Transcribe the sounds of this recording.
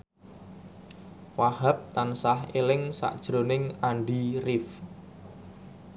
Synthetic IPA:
wahap̚t̪ansahelɪŋsa̰ʔd̥ʒ̥ɾo̤nɪŋaɳɖirɪf

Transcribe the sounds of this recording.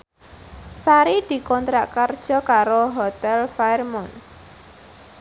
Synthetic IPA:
saɾid̪̥i̤kɔnt̪ɾaʔkard̥ʒ̥ɔ̤kaɾoɦɔt̪ɛlfarmɔn

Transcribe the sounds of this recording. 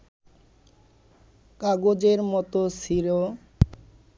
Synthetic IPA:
kaɡod͡ʑeɾmɔt̪osiɾo

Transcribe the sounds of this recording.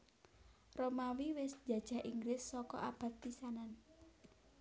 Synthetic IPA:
romawiwɪsd͡ʒ̥a̤d̥ʒ̥a̤ʔiŋɡlɪsːɔkɔ̰ʔab̥a̤t̪pisanan

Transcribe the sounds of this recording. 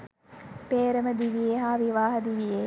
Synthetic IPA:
peːɾəməd̪iʋijeɦaːʋiʋaːɦɐd̪iʋije

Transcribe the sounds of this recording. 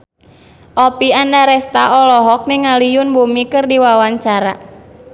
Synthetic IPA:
ʔɔpiandaɾɛst̪aʔɔlɔɦɔk̚niŋalijʊnbumikɨrdiwawaɲt͡ʃaɾa̰

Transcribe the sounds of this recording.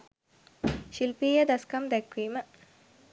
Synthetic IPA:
ʃilpiːjəd̪ɐskɐmd̪ɛkʋiːmə

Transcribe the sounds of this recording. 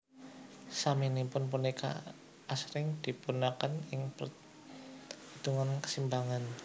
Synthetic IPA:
saminipʊnp̬unika̰ | ʔasɾɪŋd̥ipunakanɪŋp | it̪uŋankə̥simbaŋan

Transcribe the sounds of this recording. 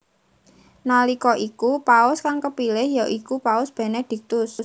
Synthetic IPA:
nalikɔʔikupaʊskaŋkəpilɪhjoʔikupaʊsb̥ɛ̤nɛd̪̥i̤k̚t̪ʊs

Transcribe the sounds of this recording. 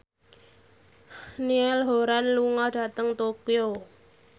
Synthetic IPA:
niɛlɦoɾanluŋɔɖ̥a̤t̪əŋt̪okio

